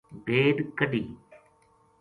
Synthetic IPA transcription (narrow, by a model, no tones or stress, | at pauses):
bʱeːɖkəɖiː